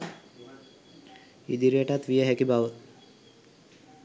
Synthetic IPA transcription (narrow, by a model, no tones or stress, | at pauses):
ḭd̪iɾiəʈat̪ʋijəɦækibaʋə